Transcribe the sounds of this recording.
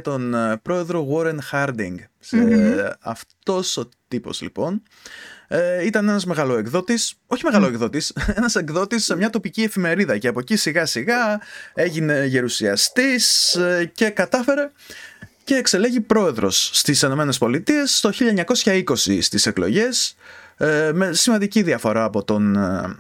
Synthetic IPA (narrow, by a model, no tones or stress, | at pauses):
t̪o̞npɾo̞e̞ðɾo̞ɣo̞ɾenxɐɾd̪ḭŋɡs | ɐ̰ft̪o̞so̞t̪ipo̞̰zlḭpo̞n | it̪ɐne̞nɐzme̞ɣɐlo̞e̞kðo̞t̪iso̞çime̞ɣɐlo̞ekðo̞t̪ise̞nɐse̞kðo̞t̪isemɲɐt̪o̞picie̞fime̞ɾiðɐce̞ɐpo̞cisiɣɐsiɣɐe̞ʝine̞ʝe̞ɾusiɐst̪isce̞kɐt̪ɐfe̞ɾe̞ | ce̞ːkse̞le̞ʝipɾo̞e̞ðɾo̞̰sːt̪iseno̞me̞ne̞spo̞lit̪ie̞st̪oçiʎɐeɲɐko̞sçɐiko̞sḭst̪ise̞klo̞̰ʝe̞s | me̞simɐnd̪iciðiɐfo̞ɾɐːpo̞t̪o̞n